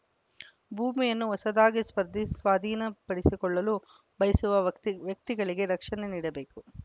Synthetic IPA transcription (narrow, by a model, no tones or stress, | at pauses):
bʱuːmijɐnːuɔsɐd̪aːɡispɐɾd̪ʱisʋaːd̪ʱiːnɐpɐɽisikɔɭːɐlu | bʱɐjɐsuʋɐʋjɐk̚t̪iɡɐɭiɡe̞ɾɐkʂɐneniːɽɐbe̞ːku